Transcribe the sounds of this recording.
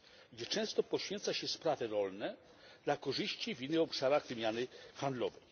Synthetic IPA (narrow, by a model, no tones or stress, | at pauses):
ɡd͡ʑɛt͡ʂɛ̃w̃st̪ɔpɔɕfʲjɛnt̪saɕɛspɾavɛɾɔlnɛ | d̪̥lakɔʐɘɕt͡ɕivʲinːɘxɔpʂaɾaɣvɘmʲjanɘxand̪lɔvɛj